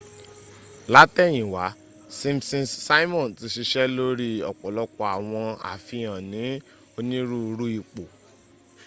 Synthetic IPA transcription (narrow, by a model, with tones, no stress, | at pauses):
la˦tɛ˦˨j̃ĩ˨wa˨˦ | sĩ˦˧msĩ˧nsa˦i˦mɔ̃˦˨n˨ti˨˦ʃi˧ʃɛ˦lo˦ɾi˦ɔ̰˨k͡pɔ˨lɔ˧˦k͡pɔ˧˦a˨w̃ɔ̃˧a̰˨fi˧jã˨nĩ˨˦ | o˧nĩ˦ɾu˦˧ɾu˦i˧˨k͡po˨